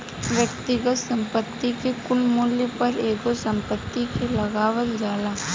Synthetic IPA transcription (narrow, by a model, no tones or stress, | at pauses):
ʋjəkt̪ɪɡət̪sɐ̃mpət̪ːikekʊlmuːljəpɐɾeːɡosɐ̃mpət̪ːikelɐɡaːʋəld͡ʒaːlaː